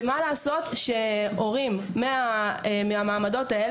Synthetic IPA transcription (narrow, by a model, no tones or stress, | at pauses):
malaːso̞t̪ʃeo̞ʁimːeameamaːmado̞tae